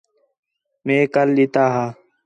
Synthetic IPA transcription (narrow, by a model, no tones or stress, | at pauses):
mẽːkɐlːit̪aːɦaː